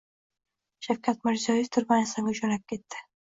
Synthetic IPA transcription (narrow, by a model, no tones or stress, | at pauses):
ʃawkʲʰat̪mɪɾzɒjɪft̪ʰʊɾbanasaŋʲʊt͡ʃɒnap̚kʲʰe̞t̪ːɪ